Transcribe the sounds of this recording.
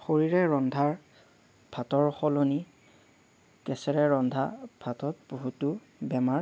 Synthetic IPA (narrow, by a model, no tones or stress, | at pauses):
xoɹiɹɛɹɔndʱaɹ | b̥ʱatɔɹxɔloni | kɛsɛɹɛɹɔndʱabʱatɔt̚boɦutʊ | bɛmaɹ